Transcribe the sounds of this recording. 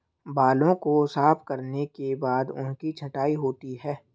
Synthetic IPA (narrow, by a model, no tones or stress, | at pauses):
baːlõkosaːpʰkɐɾnekebaːd̪ʊ̰nkit͡ʃʰɐʈaːiɦoːt̪iɦɛː